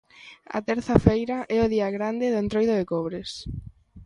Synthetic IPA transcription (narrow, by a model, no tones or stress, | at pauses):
ɐ̰t̪ɛɾθɐfejɾɐʔɛʊðiɐɣɾand̪ɪðʊent̪ɾojðʊðekɔβɾɪs